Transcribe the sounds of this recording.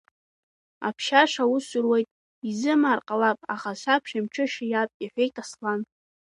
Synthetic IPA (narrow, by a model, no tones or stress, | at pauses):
a̰pʰʃaʂawʊsʊrwejtʼ | izɨmaːrqʼalapʼaχasʷapʰʃamt͡ʃʰɨʃajapʼaħʷᶣejtʼaslan